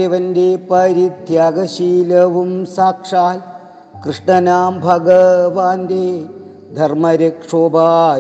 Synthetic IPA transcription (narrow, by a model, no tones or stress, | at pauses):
eʋɐnd̪eːpɐɾidd̪ʱjaːɡɐʃiːlɐʋumsaːkʂaːl | kɾɨʂɳɐnaːmbʱɐɡɐʋaːnd̪eː | d̪ʱɐɾmɐɾɐkʂoːbaː